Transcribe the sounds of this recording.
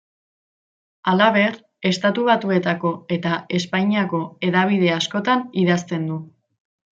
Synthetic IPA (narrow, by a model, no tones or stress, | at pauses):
alaβe̞r | e̞st̪at̪uβ̞at̪ue̞t̪ako̞e̞t̪ae̞spajɲiako̞e̞ðaβ̞iðe̞asko̞t̪aniðast̪e̞nd̪u